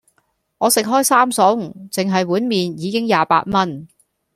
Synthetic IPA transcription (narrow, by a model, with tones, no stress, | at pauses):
ŋɔː˨˧sɪ˨k̚ɦɔː˥jsaː˥msɔ˨˥wŋ̩˨˩t͡sɪ˨ŋɦɐ˨jwuː˨˥nmiː˨njiː˨˧kɪ˥ŋjaː˨pa̰ː˧t̚mɐ˥n